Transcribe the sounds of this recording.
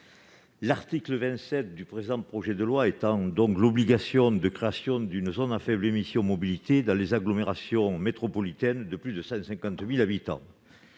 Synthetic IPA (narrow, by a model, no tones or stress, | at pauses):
laʁt̪ikləvɛ̃nt̪sɛt̪̚d̪ypχed̪ɑ̃pχɔʒed̪əlwaet̪ɑ̃d̪ɔ̃ŋklɔbliɡasjɔ̃d̪əkχeasjɔ̃d̪ynəzɔnafɛblemisjɔ̃mɔbilit̪ed̪ɑ̃lezaɡlɔmeʁasjɔ̃met̪χɔpɔlit̪ɛnd̪əplyd̪əsɑ̃sɛ̃ŋkɑ̃t̪milabit̪ɑ̰̃